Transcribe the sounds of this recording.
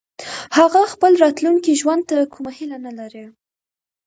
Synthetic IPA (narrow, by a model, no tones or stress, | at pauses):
haɣaxpəlɾɑt̪luŋkiʒwand̪̚t̪akʰumahilanalaɾi